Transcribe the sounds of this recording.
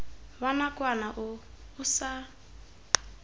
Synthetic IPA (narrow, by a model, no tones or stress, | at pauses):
βanakʼwanaʔʊː | sa